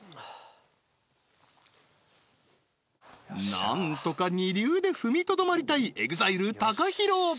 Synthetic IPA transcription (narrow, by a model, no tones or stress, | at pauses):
nã̰nt̪o̞kaɲ̟iɾʲɨːd̪e̞ɸɯ̟mʲit̪o̞d̪o̞maɾʲit̪aiʔe̞ɡɯ̟zaiɾɯ̟t̪akaçiɾo̞ː